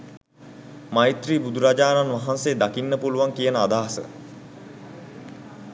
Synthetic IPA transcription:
majt̪riːbud̪ʱuɾad͡ʒaːnanʋaɦanseːd̪akinːəpuluʋaŋkijənəad̪aːsə̰

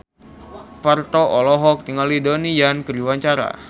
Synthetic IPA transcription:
part̪oɔlɔɦɔk̚t̪iŋalidonijankəɾuwaɲt͡ʃaɾa̰

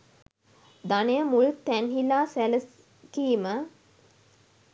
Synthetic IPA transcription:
d̪anejəmult̪ænɦilaːsæləs | kiːmə

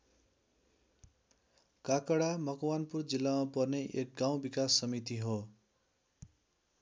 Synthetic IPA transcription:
kakʌɽamʌkwanpurd͡zilːamapʌrneʔek̚ɡaw̃bikasːʌmit̪iɦo

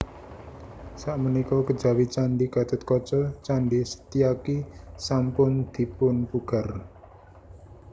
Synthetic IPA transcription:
saʔmənikokəd͡ʒawit͡ʃaɳɖikat̪ət̪̚kɔt͡ʃɔt͡ʃaɳɖisə̥t̪ijakisampʊnd̪̥i̤pʊnpuɡ̥ar

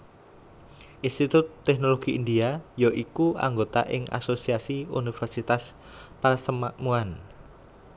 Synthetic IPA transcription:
ʔinst̪it̪ʊt̪ːɛknoloɡ̥iʔːndiajoʔikua̰ŋɡot̪a̰ʔɪŋʔa̰sosiasiṵnifɛrsit̪as | pasəmaʔmuan

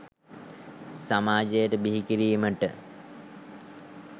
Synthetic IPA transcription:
samaːd͡ʒejəʈəbiɦikiɾijməʈə

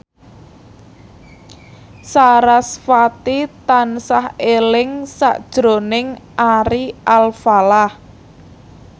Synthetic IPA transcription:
saɾasfat̪it̪ansahelɪŋsa̰ʔd̥ʒ̥ɾo̤nɪŋʔaɾiʔalfalah

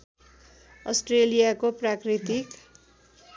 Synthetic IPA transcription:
ʌ̰sʈrelijakoprakrit̪ik

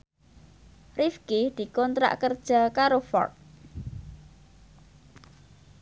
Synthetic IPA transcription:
rifkid̪̥i̤kɔnt̪ɾa̰ʔkərd̥ʒ̥a̤kaɾofɔ̰rt̪̚

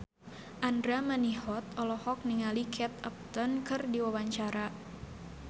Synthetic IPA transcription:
ʔandɾamanihɔt̪ɔlɔhɔk̚niŋalikʰɛt̪̚əp̚t̪ɔnkɨrdiwawaɲt͡ʃaɾa

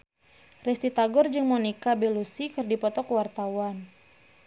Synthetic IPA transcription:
rɛst̪it̪aɡɔrd͡ʒɨŋmɔnikabɛlusikɨrdipɔt̪ɔkəwart̪awan

